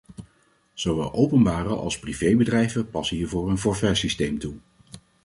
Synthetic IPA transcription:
z̥owʋɛ̰lˠʔowpənbaːrəʔɑ̰lˠsprivejbədrɛjvəpɑsəɦiːɹvʊːɹənfɔːɹvɛɹsistejmtu

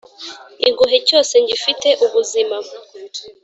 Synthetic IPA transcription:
iŋɡuɦeco̞ːse̞ɲɟifite̞ʔuβuzimam

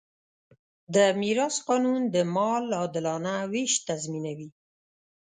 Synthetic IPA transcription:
d̪əmiɾɑsqɑnund̪əmɑlɑd̪ɪlɑnaweʃt̪azminawi

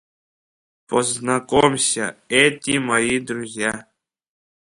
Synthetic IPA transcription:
poznɐkomsʲɐ̰ɛtʲimɐjid̪ɾuzʲja

